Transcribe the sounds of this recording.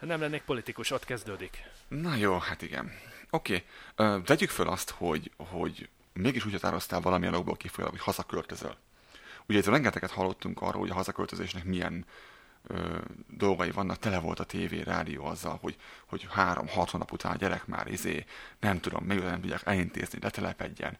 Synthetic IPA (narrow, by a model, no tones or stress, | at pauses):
nɛmlɛnːeːk̚po̞lit̪ikuʃot̪kɛzd̪øːd̪iknɒjoːhat̪iɡɛ̰no̞keːøːt̪ɛɟykfølʔɒst̪ho̞ɟho̞ɟ | meːɡiʃuːchɒt̪aːɾo̞st̪aːlvɒlɒmijɛno̞ɡ̚bo̰ːlkifojɒ̰lo̰kocʲhɒzɒkølt̪øzø̰l | uɟɛzɒɾɛŋɡɛt̪ɛkɛt̪hɒlːo̞t̪ːuŋkɒ̰r̰ːlhoɟɒɦɒzɒkølt̪øzeːʃnɛkmijɛ̰n | øːd̪o̞lɡɒjivɒnːʔɒk̚t̪ɛlɛvo̞lt̪ɒt̪eːveːɾa̰ːd̪ijoːɒzːɒ̰lho̞ɟho̞ɟhaːɾo̞̰mhɒt̪hoːnːɒ̰put̪ʰaːnɒ̰ɟɛɾɛkma̰ːɾʔizeːnɛmt̪ud̪o̞̰mːɛɡot̪anɛmt̪uɟːaːkɛlint̪ḛːznilʔɛt̪ɛlɛpɛɟːɛ̰n